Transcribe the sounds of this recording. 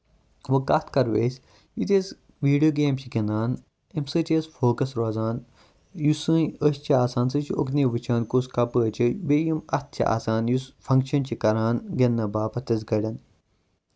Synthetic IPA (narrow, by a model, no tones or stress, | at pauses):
ʋɐkɐt̪ʰkɐɾʋeːsʲ | jit̪eːs | ʋiːɖijoːɡeːmt͡ʃʰiɡenaːn | emsɨːtʲeːsfoːkɐsɾoːzaːn | jusɨəsʲt͡ʃʰiaːsaːnsɨt͡ʃʰio̰kneːʋɨt͡ʃʰaːnkoːskɐpəːt͡ʃʰibejimɐt̪̚ʰt͡ʃʰḭʔa̰ːsaːnjusfɐ̃ŋkʃɐnt͡ʃʰikɐɾaːnɡɐnːɐbaːpɐt̪ɐz̬ɡɐɽʲɐn